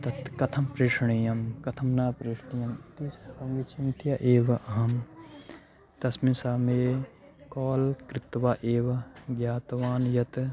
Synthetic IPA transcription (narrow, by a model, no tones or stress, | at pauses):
t̪ɐt̪kɐt̪ʰɐmpɾeːʃɳijɐmkɐt̪ʰɐmnaːpɾeːʂɳijɐmt̪ispɐmɡit͡ʃʰint̪ʰjɐʔeːʋɐʔɐɦɐm | t̪ɐsmisaːmeː | kɔːlkɾɪt̪ʋaːʔeːʋɐɡjaːt̪ʋaːnjɐt̪